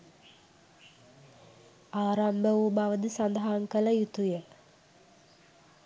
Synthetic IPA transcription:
aːɾambəʋubaʋəd̪əsand̪aɦaŋkələjut̪ujə

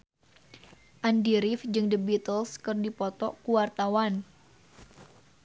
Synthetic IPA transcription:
ʔandiɾɪfd͡ʒɨŋdəbit̪əlskərdipɔt̪ɔkuwart̪awan

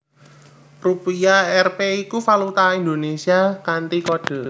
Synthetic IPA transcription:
rupiaɛrpeikufalut̪aind̪onesiakant̪ikod̥ɔ̤

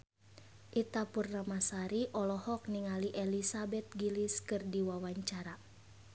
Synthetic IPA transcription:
ʔit̪apurnamasaɾiʔɔlɔhɔk̚niŋaliʔɛlisabɛt̪̚ɡiliskɨrdiwawaɲt͡ʃaɾa

